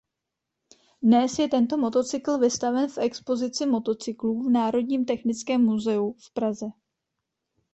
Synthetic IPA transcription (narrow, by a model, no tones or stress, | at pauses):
dnɛsjɛt̪ɛnt̪o̞mo̞t̪o̞t͡sɪkl̩vɪst̪avɛnfʔɛkspo̞zɪt͡sɪmo̞t̪o̞t͡sɪkluːvnaːɾo̞dɲiːmt̪ɛxnɪt͡skɛːmːuzɛufpɾazɛ